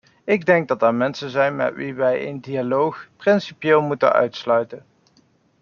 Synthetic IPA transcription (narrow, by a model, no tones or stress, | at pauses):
ɪɡ̚dɛŋɡ̚dɑtɛɹmɛnsənzɛjnmɛ̰tʋiʋɛjə̰ndialowxprɪnsipjeːlˠmutə̰nœ̰ɥtslœɥtən